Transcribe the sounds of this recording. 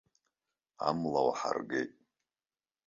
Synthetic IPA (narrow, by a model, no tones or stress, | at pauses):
amlawaħarɡetʼ